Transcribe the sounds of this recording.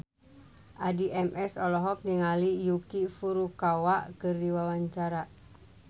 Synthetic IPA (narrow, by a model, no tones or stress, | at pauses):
ʔadiʔɛmʔɛsɔlɔɦɔk̚niŋalijukifuɾukawaʔkɨrdiwawaɲt͡ʃaɾa